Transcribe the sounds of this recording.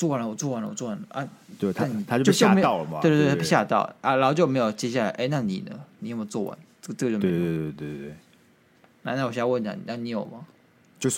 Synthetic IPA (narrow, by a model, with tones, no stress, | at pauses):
t͡swɔ˥˩wa˦˥nlə˨wɔ˨˩t͡swɔ˥˩wa˧˦nlə˧wɔ˨˩t͡swwa˧˦nə̰˧ʔa˥˩we˥˩t̪ʰni˨˩a˦t͡ɕo˥o˥˨˩ɕojm˥ɑ˥˨ʊm˨e˥˧t̪t̪̬ʰːpu˥˩ɕja̰˥˧t̪ɑ̰˥˩ʊʔa˥˩lɑ˧˥˩t͡ɕo˥˧˩me˧˥˦jo˨˩ʊt͡ɕjɛ˥ɕja˥˩la˧˦ɪʔe˥˧ɪna˥˩nḭ˨˩nə̰˦ni˨˥˩mo˧˩˦t͡swɔ˥˩wa̰˧˦n | ɤ˥˩˨ʈ͡ʂə˥˩˧o˥˧˩e˧˥˨t̪we˥˩we˥˩ | na˥˧na˥˩w̬ɛ˥˧˥a˥˧wə˥˩na̰˨˩n˨˩a˥˩ni˧˥jo˨˩ʊma˦ | t͡ɕjo˥˧ʊ